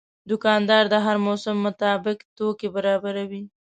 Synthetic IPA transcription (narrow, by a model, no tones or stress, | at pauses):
d̪ʊkɑnd̪ɑɾd̪əɦaɾmosʊmːʊt̪ɑbɪkt̪okebaɾɑbaɾawi